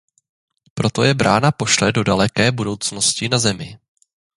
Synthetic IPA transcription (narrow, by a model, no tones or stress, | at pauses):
pɾo̞t̪o̞jɛbɾaːnapo̞ʃlɛdo̞dalɛkɛːbudo̞wt͡sno̞scɪnazɛmɪ